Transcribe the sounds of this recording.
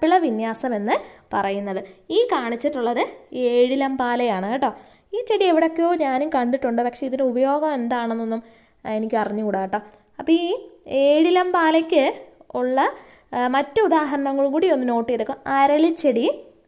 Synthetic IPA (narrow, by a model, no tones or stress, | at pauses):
pːiɭɐʋinjaːsɐme̞nːɨpɐrɐjunːɐðɨiːkaːɳit͡ɕːiʈːuɭːɐðɨe̞ːɻilɐmbaːlɐjaːɳɨʈːoː | iːt͡ɕe̞ɽieʋiɽo̞kːejo̞ːɲaːnumkɐɳɖiʈːuɳɖɨpɐkʂe̞iðineubɐjo̞ːɡɐme̞nd̪aːɳenːo̞nːum | e̞nikʲːɨɐrɐɲːɨkuɽaːʈːɐː | ɐpːɐiːe̞ːɻilɐmbaːlekʲːɨ | uɭːɐ | mɐtːɨud̪aːɦɐɾɐɳɐŋːɐɭuŋkuːɽio̞nːɨno̞ːʈːijɐðokːɐmɐɾɐlit͡ɕːe̞ɽi